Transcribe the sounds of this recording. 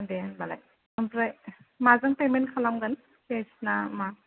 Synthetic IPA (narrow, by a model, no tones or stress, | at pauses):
denbala̰j | ampɾajmazaŋpemenkʰalamɡan | kesnama